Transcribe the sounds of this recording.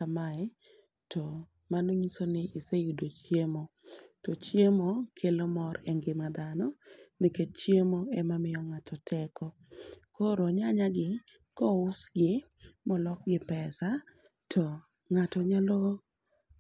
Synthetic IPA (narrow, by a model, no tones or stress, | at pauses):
kamaɛ | tɔ | manoɲisonɪʔisejudot͡ʃjemotɔt͡ʃjemokʰelomɔɾɛŋɡɪmad̪anɔnɪket̚t͡ʃjemoɛmamɪjɔŋatʰɔtʰɛkɔ | koɾoɲaɲaɡɪ | kɔʊsɡɪ | mɔlɔk̚ɡɪpɛsa | tʰɔ | ŋatɔɲalɔ